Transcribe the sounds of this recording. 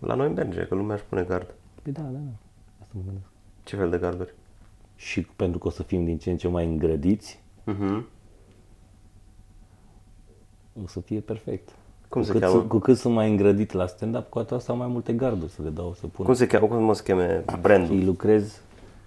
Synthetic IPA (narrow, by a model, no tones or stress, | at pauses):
lʔa̰nojimbeɾd͡ʒḛkəlumeaʃpune̞ɡard̪pəjd̪ad̪ad̪a | ast̪əməɡɨnd̪esk̚ | t͡ʃe̞feld̪e̞ɡard̪urʲʃipe̞nt̪ɾukəo̞səfimd̪int͡ʃent͡ʃemajɨŋɡɾəd̪it̪s̩ʲ | ɦm̩ | o̞səfije̞pe̞rfe̞̰k̚t̪ | kumseɨamkukɨt̪sunt̪majɨŋɡɾəd̪it̪ʲlast̪end̪apkuat̪oast̪awmajmult̪e̞ɡard̪urʲsəle̞d̪awsəpunkumsekʲakumfumosə̥kʲemebɾend̪jlukɾe̞z